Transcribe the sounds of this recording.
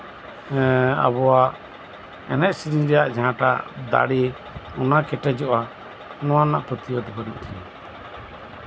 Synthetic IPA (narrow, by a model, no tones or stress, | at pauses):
a̰bɔa | ɛnɛʔ̚sid͡ʒiɾɛjaʔd͡ʒaãʈa̰d̪a̰ɽi | ɔnakɛʈɛd͡ʒɔʔa | nɔwanaʔpɾɔt̪ijɔd̪ɛbɔnṵʔt̪ʰina